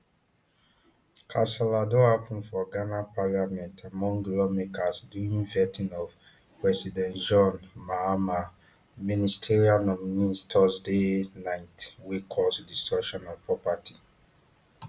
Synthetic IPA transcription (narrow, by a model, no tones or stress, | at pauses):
kʰãsɛladoapũnfɔɡanapaljamɛ̃ntʰamɔ̃ŋɡlɔmekasduĩŋvɛtʰĩnɔv | pɹɛsidɛ̃ntd͡ʒɔ̃nmaama | ministʰɛɹianɔmnĩstʰɔsdenãɪ̃ntwekʰɔsdistɔʃɔ̃nɔv̥pɹɔpatʰi